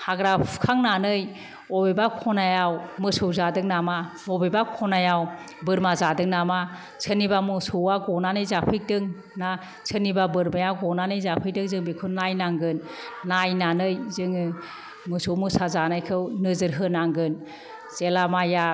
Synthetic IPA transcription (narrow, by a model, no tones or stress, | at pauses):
haɡɾapʰkʰaŋnanɯj | ɔbebakʰɔnajawmɯsɯwzadɯŋnamamɔbebakʰɔnajaw | bɯɾmazadɯŋnama | sʰɯnibamɯsowaɡɔnanɯjzapʰɯjk̚dɯŋ | na | sʰɯnːibabɯɾmajawɡɔnanɯjzapʰɯjk̚dɯŋzɯŋbekʰɯnajnaŋɡɯnː | ajnanɯjzɯŋɯ | mɯsowmɯsazanajkʰɯwnɯzɯɾɦɯnaŋɡɯn | zelamaja